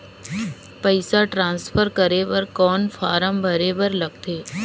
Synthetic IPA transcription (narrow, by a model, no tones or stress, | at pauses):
pəɪsaʈɾãːnspʰəɾkəɾeːʋəɾkɔːnfʰaːɾəmbʱəɾeːbəɾlɐɡ̚t̪ʰeː